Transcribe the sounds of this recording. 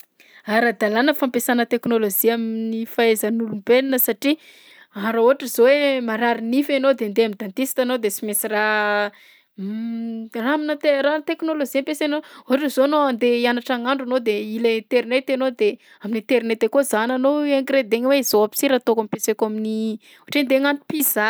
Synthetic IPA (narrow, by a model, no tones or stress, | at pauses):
aɾad̪alanəfampesanət̪eknoloziaminifaezənulumbelinəsaʈ͡ʂi | aɾaoɦaʈ͡ʂəz̥owemaɾaɾinifanod̪eand̪eamind̪ant̪isi̥t̪anod̪esimesira | raaminət̪erat̪eknoloziampesenooɦaʈ͡ʂəzoanoand̪eianaʈ͡ʂaŋaɳɖ͡ʐanod̪eilet̪eɾinet̪enod̪e | aminit̪eɾinet̪ekozananoaŋɡɾed̪eŋweizoapi̥siɾat̪okampesekoamini | oaʈ͡ʂend̪eŋant̪u̥piza